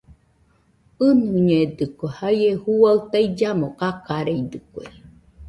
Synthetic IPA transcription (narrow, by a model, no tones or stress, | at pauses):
ɨnuɲed̪ɨkehajehuaɯt̪aid͡ʒamokakaɾejd̪ɨkʷḛ